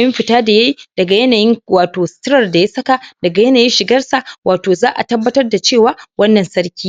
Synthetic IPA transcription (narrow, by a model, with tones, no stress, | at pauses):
jɪ˦mɸɪ˨taː˦da˨jɐ˦ji˦d̥ɐ˨ɡa˨jɐ˦naː˨jɪ˦ŋwaː˨toː˨stɪ˦ɾɐ˨rda˨ja˦sɐ˦ka˨dɐ˨ɡa˨jɐ˦naː˨jɪ˦nʃɪ˨ɡɐ˦rsa˨wʔaː˨toː˨zaː˦ʔa̰˨tɐ˦bːɐ˦tɐ˦rda˨t͡ʃeː˦˨waː˨˦wɐ˦nːɐ˨nsɐ˦ɽkʲiː˦